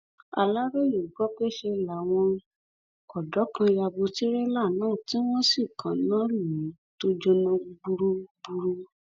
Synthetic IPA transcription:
a̰˧la˦ɾe˦˨jo˨ɡɔ˨˦ke˦ʃe˧la˨˦w̃ɔ̃˧ | ɔ˨dɔ˨˦kã˧ja˧bo˧ti˦ɾe˦la˦˨nãː˦˨tĩ˦w̃ɔ̃˦si˦˨kʰã˨˦lã˦lu˨i˨˦to˦d͡ʒɔ˧nã˧ɡ͡bu˧ɾu˧ɡ͡bu˧ɾu˧

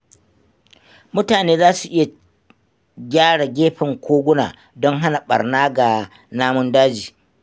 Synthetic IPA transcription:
mʊ˦taː˨neː˦zaː˦su˨ʔɪ˦ja˨ | ɡʲaː˦ɽa˨ɡʲeː˦ɸɪ˨ŋkʷʰoː˦ɡʷʊ˦na̰ː˨ | dɔ˦ŋɦa˦na˨ɓɐ̰˨rnaː˦ɡa˨ | naː˦mʊ˦ndaː˦d͡ʒiː˨

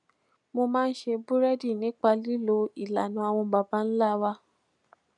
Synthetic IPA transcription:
mo˧mãː˦n̩˦ʃe˧bu˦ɾɛ˦di˦˨nĩ˨˦k͡pa˧li˦lo˧i˨la˨nũ˨˧a˧w̃ɔ̃˧ba˧ba˧˦n̩˦la˦wa˧

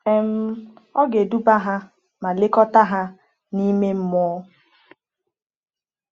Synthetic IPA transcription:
e˨m̩˦ɔ˦ɡe˨du˦ba˦ɦa˦ | ma˨le˦kɔ˦ta˦ɦa˦ | ni˦me˦m̩˦mɔ˦

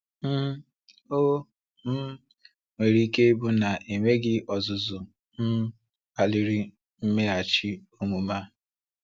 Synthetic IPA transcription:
m̩˦ | o˦ | m̩˦ | ŋʷe˨ɾi˦ke˦bu˦na˨ʔe˨ŋʷe˦ɡɪ˦ʔɔ˨zʊ˨zʊ˨ | n̩˦ | a˨lɪ˨ɾi˦ | m̩˦me˦a˨t͡ʃɪ˦o˦mu˨ma˦

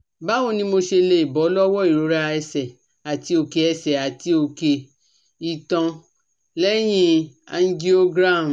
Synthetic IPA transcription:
ba˨˦õ˧nĩ˧˦mo˧ʃe˧le˧i˨bɔ˨˦lɔ˦wɔ˦i˦˨ɾo˨˦ɾa˧ɛ˧sɛ˨ | a˨ti˨˧˦o˧ke˧ɛ˧sɛ˨a˨ti˧˦o˧˨ke˧ | i˨tɔ̃˧ | lɛ˦j̃ĩ˧ã̰˧n˦di˦o˦ɡɾa˦˨

